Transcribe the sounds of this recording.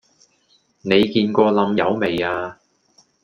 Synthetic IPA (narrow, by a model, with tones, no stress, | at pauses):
ne˨˧jkiː˧nkɔː˧lɐ˨˧mjɐ˨˧wme˨˩jaː˧